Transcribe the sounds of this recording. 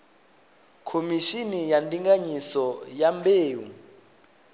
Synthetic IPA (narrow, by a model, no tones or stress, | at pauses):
kʰomiʃinijandʼiŋɡaɲisɔjambeːwṵ